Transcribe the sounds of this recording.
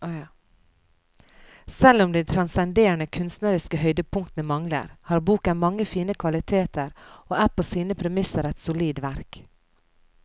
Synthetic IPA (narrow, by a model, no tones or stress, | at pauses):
sɛlʊmd̪ɛɪt̪ʰɾɑnsɛnd̪eːɳəkʰʉnst̪nəɾɪskəhœʏd̪əpʰʊŋkt̪nəmɑŋlə̰ɾhɑːɾbuːkənmɑŋːəfiːnəkʰʋɑlɪt̪ʰeːt̪əɾoːæplsiːnəpʰɾɛmɪsəɾɛt̪sʊliːd̪ʋæɾk